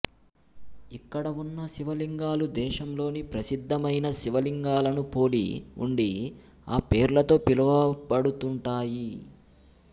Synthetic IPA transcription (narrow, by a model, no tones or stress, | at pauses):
ikːɐɽɐunːɐʃiʋɐliŋɡaːlud̪ɛːʃɐmlo̞ːnipɾɐsid̪ʱːɐmɐjnɐʃiʋɐliŋɡaːlɐnupo̞ːlḭṵɳɖi | aːpeːɾlɐt̪o̞ːpilɐʋɐpɐɽut̪uɳʈaːji